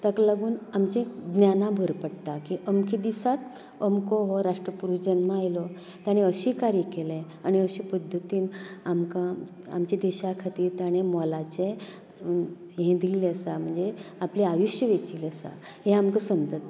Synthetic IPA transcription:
t̪akalaɡuːnamt͡ɕẽd̪njanãbʱəɾpəɽʈ̪akiʔəmkʰid̪isat̪ | əmkoɦoɾaʂʈɾəpuɾuɕd͡ʑənmaajlɔ | t̪jaɽ̃eəɕikaɾikelẽ | aɽ̃iəɕipəd̪ʱːət̪iːnamkã | a̰mt͡ɕed̪eɕakʰat̪iːɾt̪aɽ̃emɔlat͡ɕe | ɦẽd̪ʱilleəsam̤əɳd͡zeapleajuɕjəʋet͡ɕiləsa̰ | ɦeamkəsəmd͡zət̪

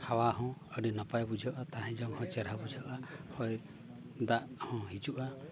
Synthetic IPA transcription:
hawaɦɔ̃əɖinɔpajbud͡ʒʱɔʔat̪aɦɛ̃d͡ʒɔŋhɔ̃t͡ʃɛɾabud͡ʒʱɔʔahɔj | d̪aʔhɔ̃ɦid͡ʒuʔa

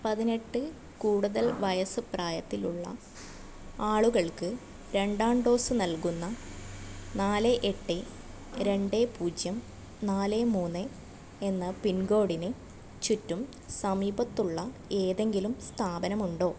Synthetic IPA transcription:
pɐðine̞ʈːɨ | kuːɽuðɐlʋɐjɐsɨpraːjɐt̪ːiluɭːɐ̰ | aːɭuɣɐɭkɨ | ɾe̞ɳɖaːɳɖo̞ːsɨnɐlkunːɐ | naːleʔeʈːe | ɾe̞ɳɖe̞puːd͡ʑjɐm | naːlemuːnːe | enːɐpinɡo̞ːɽinɨ | t͡ɕutːum | sɐmiːbɐt̪ːuɭːɐ | e̞ːðe̞ŋɡilumst̪ʰaːbɐnɐmuɳɖo̞ː

